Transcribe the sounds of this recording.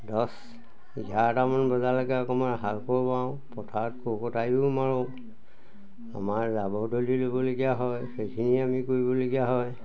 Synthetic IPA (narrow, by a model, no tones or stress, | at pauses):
dɔs | ɡatamɔnbɔzalakɛɔkɔmaɹɦalkɔɹpaʊ̃ | pɔtʰatkokɔtajʊmaɹɔ | a̰maɹzabɔdolilobɔloɡijaɦɔjxejkʰiniamikoɹibɔloɡijaɦɔj